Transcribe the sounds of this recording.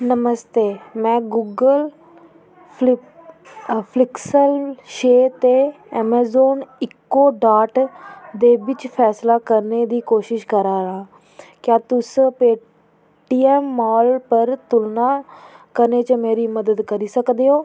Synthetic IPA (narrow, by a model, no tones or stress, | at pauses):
nəməst̪eːmɛ̃ːɡuːɡəl | pʰlɪksəlʃeːt̪eː | ɛːmɛːzoːnɪkːoːɖaːʈd̪eːʋɪt͡ʃpʰɛːslaːkəɾneːd̪iːkoːʃɪʃkəɾaːɾãː | kjaːt̪ʊspeː | ʈiːɛːmːɔːlpəɾt̪ʊlnaːkəɾneːt͡ʃəmeːɾiːməd̪əd̪kəɾiːsəkd̪eːoː